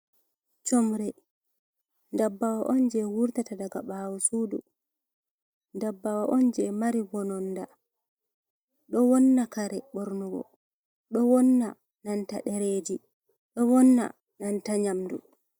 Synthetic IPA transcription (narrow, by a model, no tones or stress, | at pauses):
t͡ʃɔmɾɛ | ndabːawaʔɔnd͡ʒɛwuɾtatadaɡabawusudṵ | ndabːawaʔɔnd͡ʒɛmaɾiwɔnɔnda | ɗɔwɔnːakaɾɛɓɔɾnuɡɔ̰ | ɗɔwɔnːa̰ | nantaɗɛɾed͡ʒi | ɗɔwɔnːa̰ | nantaɲamdṵ